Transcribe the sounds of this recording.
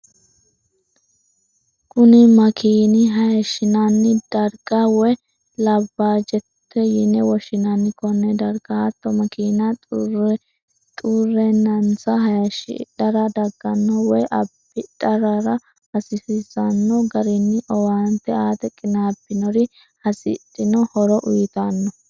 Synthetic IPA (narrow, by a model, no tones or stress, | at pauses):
kʰʊnɪmɐkʰiːnɪɦɐjɐʃːɪnɐnːɪd̪̥ɐɾɡɐwɔ | lɐbːaːd͡ʒɛt̪ːɛjɪnːɛwɔʃɪnɐnːɪkɔnːɛd̪ɐɾɡ̥ɐɐt̪ːɔmɐkiːnɐ | t̪ʼurːɛnɐnt͡sɐɦɐjɐʃɪ̰ᶑɐɾɐd̪ɐɡːɐnːɔwɔjʔɐbːɪᶑɐɾɐɾɐ | hɐsɪsɪzɐnːɔɡɐɾɪnːɪʔɔwaːnt̪ːɛaːt̪ɛkʼːɪnaːbːɪnɔɾɪ | hɐsɪ̰t̪ʼːɪnɔhɔɾɔʔʊjt̪anːɔ